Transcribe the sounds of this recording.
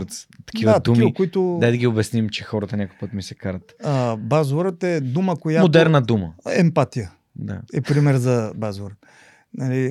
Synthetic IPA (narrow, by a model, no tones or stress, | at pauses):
ɾt̪st̪ɐ̥k̟ivəad̪umiəkʊit̪ʊd̪ajd̪əɡʲiobɛsnimt͡ʃɛxɔɾət̪ənʲakʊjpət̪misɛkaɾət̪əbazɾət̪ɛd̪uməkojammod̪ɛɾnəd̪uməɛmpat̪ijə | d̪a̰ɛpɾimɛɾzɐbazɾət̪ | nɐli